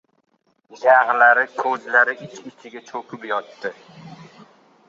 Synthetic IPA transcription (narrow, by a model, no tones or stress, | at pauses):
d͡ʒaʁlaɾɪkʰɵzlaɾɪʔɪt͡ʃʰɪt͡ʃʰɪɡʲat͡ʃʰɵkʰʊpjɒt̪ːɪ